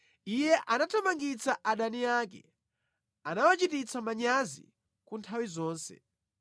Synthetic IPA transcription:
ijɛʔanatʰamaŋɡit͡saʔaɗaniaːk̬ɛ̰ | anawat͡ʃitit͡sʰamaɲazḭ | kuntʰawizɔːnsɛ̰

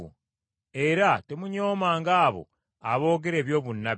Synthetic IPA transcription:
ṵ | e̞ɾatemuɲoːmaːŋɡaːβo̞̰ | aβo̞ːɡeɾe̞ːβjo̞ːβunːa

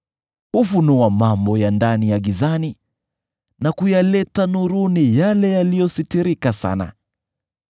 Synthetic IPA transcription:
hufunuamambɔjandanijaɠizani | nakujalɛtanuɾunijalɛjalijɔsitiɾikasa̰na̰

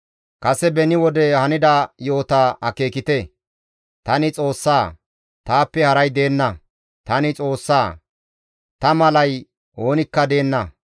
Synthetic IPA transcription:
kɐsɛbɛnɪwɔd̪ɛhɐnɪd̪ajo̞ːt̪aːɐke̞ːkɪt̪ɛ | t̪ɐnɪt͡sʼo̞ːsːaː | t̪aːpːɛhɐɾɐjd̪e̞ːnːɐ | t̪ɐnɪt͡sʼo̞ːsːaː | t̪ɐmɐlɐj | ʔo̞ːnɪkːɐd̪e̞ːnːɐ

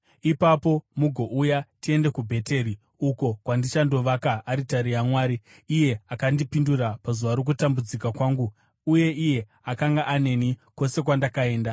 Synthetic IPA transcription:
ipapo̞muɡʱo̞ʔujatie̞nde̞kubʱe̞te̞ɾi | uko̞kwandit͡ʃando̞ʋakaaɾitaɾijamwaːɾiː | je̞akandipindurapazuʋaɾok̬utambud͡zikakwaːŋɡuː | je̞ʔije̞ | akaŋɡaʔane̞nikwo̞se̞k̬wandakae̞ːnda

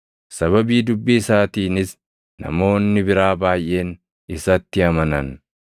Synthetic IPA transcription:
sɐβɐbiːd̪ʊbːiːsaːt̪iːnɪs | nɐ̰mo̞ːnːɪbɪɾaːbaːjʔe̞ːn | ɪsɐt̪ːɪɐmɐnɐ̰n

